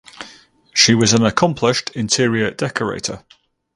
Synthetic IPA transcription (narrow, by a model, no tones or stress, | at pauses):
ʃiwɒzə̃nəkʰʌ̃mpʰlɪʃtʰɪ̃ntʰɪəɹiədɛkʰəɹḛɪtʰə̰